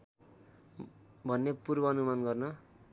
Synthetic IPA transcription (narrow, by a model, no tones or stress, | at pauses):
bʱʌnːepurbʌːnumanɡʌrnʌ